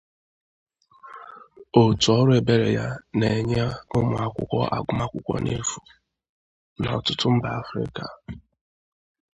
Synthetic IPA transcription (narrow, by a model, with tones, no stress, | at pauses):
o˨tu˨ɔ˦ɾʊ˦e˨be˨ɾḛ˨ja˦ne˨ɲa˦ʊ˦mʊ˨a˨kʷʊ̰˦kʷɔ˦ʔa̰˨ɡʊ˦ma˦kʷʊ˦kʷɔ̰˦nʔḛ˦fu˨ | na˨ɔ˨tʊ˦tʊ˦m̩˦ba˨a˦fɾɪ̰˦ka˨